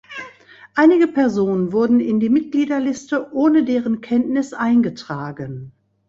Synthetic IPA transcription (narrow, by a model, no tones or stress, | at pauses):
ʔaɪnɪɡəpʰɛɐzoːnənvʊɐdn̩ɪndiːmɪt̚ɡ̥liːdɐlɪstəʔoːnədeːʁ̞ənkʰɛntnɪsʔaɪnɡətʁ̥aːɡən